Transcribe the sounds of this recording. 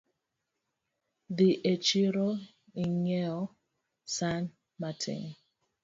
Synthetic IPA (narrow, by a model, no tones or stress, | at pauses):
ðiʔet͡ʃiɾo | iɲɛɔ | san | matʰḭ̃n